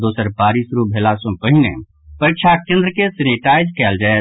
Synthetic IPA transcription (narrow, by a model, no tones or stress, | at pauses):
d̪oːsəɾpaːɾisɾubʱelasõpəɦinḛ | pəɾɪkt͡ʃʰak̚t͡ʃə̃nd̪ɾəkesɪniʈaːɪd͡ʒkɛːld͡ʒaːe